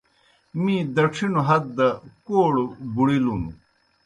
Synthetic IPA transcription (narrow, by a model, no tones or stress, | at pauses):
mĩd̪ɐkʂʰinuɦɐd̪̚d̪ɐkoːɽbuɽilunṵ